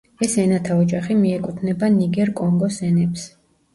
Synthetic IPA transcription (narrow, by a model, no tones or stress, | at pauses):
ɛsɛnat̪ʰaɔd͡ʒaχimiɛkʼut̪ʰnɛbaniɡɛɾkʼɔŋɡɔsɛnɛps